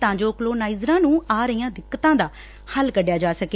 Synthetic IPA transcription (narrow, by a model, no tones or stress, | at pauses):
t̪ãːɲd͡ʒoːkloːnaːizɾãːnũːaːɾəiːãːd̪ɪkːət̪ãːd̪aː | həlkəɖjaːd͡ʒaːsəke